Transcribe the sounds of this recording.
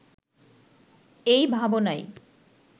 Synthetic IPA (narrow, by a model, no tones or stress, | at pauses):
ejbʱabonaj